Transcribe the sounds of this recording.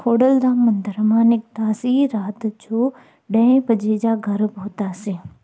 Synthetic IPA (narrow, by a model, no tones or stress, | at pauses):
kʰoːɽəld̪aːmɐ̃nd̪əɾmãːnɪk̚d̪aːsiɾaːt̪d͡ʑoː | ɗɐ̃ɪ̃pɐd͡ʑed͡ʑaːɡʱɐɾbʱoːt̪aːsĩː